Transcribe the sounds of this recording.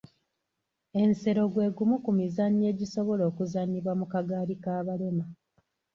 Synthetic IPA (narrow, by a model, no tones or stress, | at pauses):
e̞nse̞ɾo̞ɡwe̞ːɡumukumizaɲːe̞ːɟiso̞βo̞lo̞ːkuzaɲiβwamukaɡaːlikaːβale̞ma